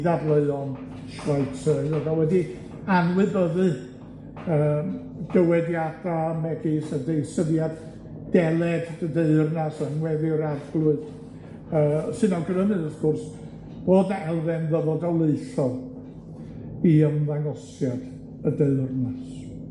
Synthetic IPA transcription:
ðablˠeɨɔn | ʃraɨtʰəðɔdawɛdi | anwɨbəðɨ | əː | ɡ̥əwɛdjadamɛɡisədejsəðjad | d̥ɛlˠɛdədeɨrnasənwɛðɪɾadɡlˠʊɨd | əːsɨnawɡənəmɨðəfkʰʊrs | b̥oːdɛlˠðɛnðəvɔdalˠeɨɬɔlˠ | iəmðaŋɔsjad̥ | ədeɨrnas

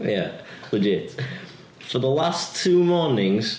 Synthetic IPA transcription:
jæləd͡ʒɪt | fəðəlastʰʉːmɔːnɪ̃ŋz̥

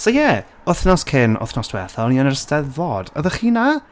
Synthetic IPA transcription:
sojɛ | ʊθnɔskʰɪnʊ̰θnɔsd̥wɛrθɔlniənərəstɛðvoːd̥ə̰ðəχiːna

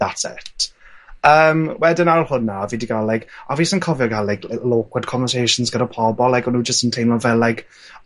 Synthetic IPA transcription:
ðatsɛ̰t | əːmwɛdɪnaɾʊlˠhʊnːaɔvidiɡalːajkaviːsɔnkʰɔvjɔɡalːajkʰloːkʰwədkʰɔɱvəsejʃʊnzɡəɾapʰɔbɔlajkɔnud͡ʒəstəntʰejnɔvɛlajk

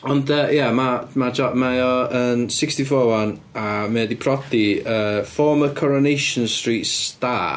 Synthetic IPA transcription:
ɔndəjamamad͡ʒɔʔmajɔənsɪkstifɔːwan | amɛːdipʰrɔdiəːfɔːməkʰɔɾɔnejʃənstriːtsta

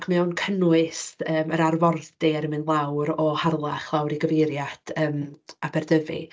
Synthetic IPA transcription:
kʰmɛɔwnkʰənwɨsəːməɾarvɔrdɪɾəmɨnlˠawɾɔharlˠaχlˠawɾiɡəvejɾjad̥ʰəːmabʰɛrdəvḭ

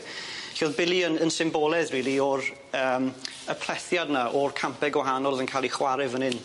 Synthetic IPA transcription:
ɬɔðbɪlˠiənənsɪmbɔːlˠɛðriːlˠiɔɾ | əːm | əpʰl̥ɛθjadnaʔɔrkʰampɛɡwaɦanɔlˠvənkʰaːlˠiχwaɾɪvənɪn

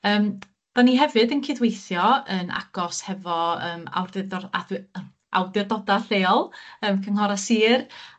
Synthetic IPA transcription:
əːm | d̥aniɦɛvɨdənkʰɪðwejθjɔəna̰ɡ̥ɔshɛvɔəːma̰wrdadə | a̰wdɪrdɔdaɬeːɔlˠəːmkʰəŋhɔɾasiːr

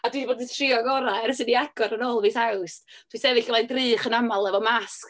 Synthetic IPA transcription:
adwiθboːditʰrɪɔɡɔɾaɾəs̬ɨniaɡ̥ɔɾənoːlˠviːθawsd̥wisɛvɨɬəmajdrɨːχənamalˠɛvɔmask

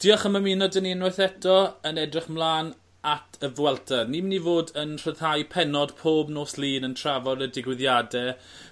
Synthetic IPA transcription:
d̥iːɔχəmaminɔdəninwɔjθɛtʰɔənɛdrɪχmlˠaːn | atʰəvwɛlˠtʰarnimɪnivoːdənr̥əðhajpʰɛnɔd̥pʰoːbnoːslˠiːnəntʰr̥avɔɾədɪɡwɪðjadɛ

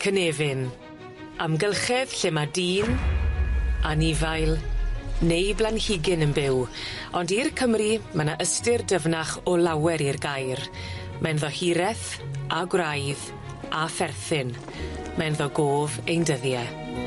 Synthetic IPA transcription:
kʰəneːvɪn | amɡəlˠχɛð̥ɬɪmadiːn | anɪvajlˠnejblˠanhɪɡɪnənbɪw | ɔndirkʰəmrimənaʔəstɪrdəvnaχɔlˠawɛɾirɡajr | mʔɛnðɔhiɾɛθaɡwrajð | afɛrθɪn | mɛnðɔɡoːvejndəðjɛ

